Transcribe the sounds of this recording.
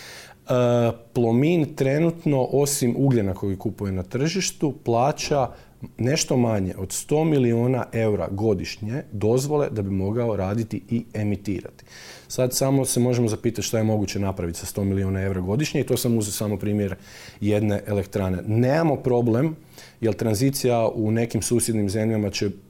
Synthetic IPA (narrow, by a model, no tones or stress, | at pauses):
əplˠomint̪ɾe̞nut̪no̞ʔo̞simʔuɡʎenako̞jikupuje̞nat̪r̩ʒiʃt̪uplˠaːt͡ɕa | ne̞ʃt̪o̞maɲe̞̰ʔo̞d̪st̪o̞ːmilioːna̰ʔe̞uɾa̰ɡo̞d̪iʃɲe̞d̪o̞zʋo̞le̞d̪abimo̞ɡao̞ɾaːd̪it̪iie̞mit̪ḭːɾa̰t̪i̥ | sad̪samo̞se̞mo̞ʒemo̞zapiːt̪at̪ʃt̪ajemo̞ɡut͡ɕenapɾaʋit̪i̥sast̪o̞milionae̞wɾaɡo̞d̪iʃɲeit̪o̞samuzesaːmopɾiːmjeɾ | je̞d̪ne̞ʔelekt̪ɾane̞neːmamo̞pɾo̞ble̞m | jelˠt̪ɾanzit̪sijaʔune̞kimsuːsjed̪nimze̞mʎamat͡ɕe